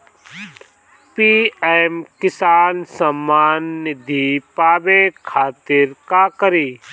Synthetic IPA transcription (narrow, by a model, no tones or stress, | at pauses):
piːɛmkɪsaːnsəmːaːnːɪd̪ʱipaːbekʰaːt̪ɪɾkakəɾiː